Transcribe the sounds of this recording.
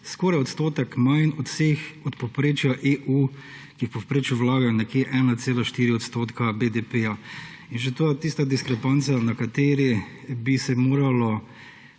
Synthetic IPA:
skɔːɾajɔt̪st̪oːt̪ɛkmajnɔt̪w̥seːxɔt̪pɔpɾeːt͡ʃjaʔeʔu | kiwpɔpɾeːt͡ʃjuʋlaːɡajɔnɛkjeʔɛːnat̪seːlaʃt̪iːɾiɔt̪st̪oːt̪kabed̪epeja | inʃ̬ɛt̪oːjɛt̪ist̪ad̪iskɾɛpant̪sanakat̪eːɾi | bisɛmoːɾalɔ

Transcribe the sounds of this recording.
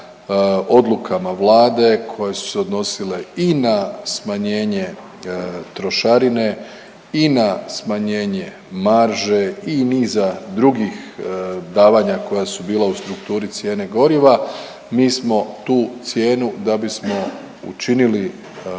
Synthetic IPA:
o̞d̪lˠukʰamaʋlˠaːd̪e̞kʰo̞je̞su̥seo̞d̪no̞sile̞inasmaɲe̞ːɲe̞ | t̪ɾo̞ʃaɾine̞ | inasmaɲe̞ːɲe̞ | maɾʒe̞iniːzad̪ɾuɡixd̪aːʋaɲako̞jasubiːlˠaust̪ɾukt̪uːɾit̪sje̞ːne̞ɡo̞ɾiʋa | miːsmo̞t̪uːt̪sje̞ːnud̪abismo̞ | ṵt͡ʃinili

